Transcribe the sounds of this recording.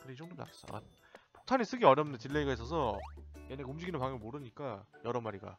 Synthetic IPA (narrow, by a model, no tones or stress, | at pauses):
kɯɾeid͡ʑʌŋdona̰ks͈ʌ̰a̰ | po̥k̚tʰaɲis͈ɯɡiʌɾjʌmnɯnd̪et͡ɕiɭːeiɡais͈ʌsʰʌjeneɡumd͡ʑiɡinɯnpaŋjʌmimoɾɯɲik͈ajʌɾʌmaɾiɡa̰